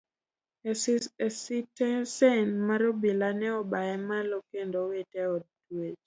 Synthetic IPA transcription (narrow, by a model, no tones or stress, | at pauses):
sitɛsɛnmaɾobilanɛɔbaɛmalokendowetɛɔd̚dwed͡ʒ